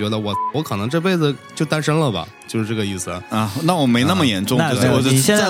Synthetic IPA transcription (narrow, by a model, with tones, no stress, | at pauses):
ɥɛ˧˥d̪ə˧wɔ˨˩wɔ˧˥kʰɤ˨˩nɤ˧˥ŋʈ͡ʂɤ˥˧p̬e˥ɪd͡zɹ̩˩t͡ɕjo˥˩ʊt̪a˥nʂə˧˥ŋlə˨bɐ̰˩t͡ɕjo˥˧ʊʂɻ̩˥˧ʈ͡ʂɤ˥˩ɡə˩i˥˩sɹ̩˩˦a˥˧˩na˥˩wɔ˨˩me˧˥ɪna˥˩mə˩jɛ˧˥nʈ͡ʂʊ˥˧ŋ˥˩˥ɔ˥˧˥ɛ˥˧˥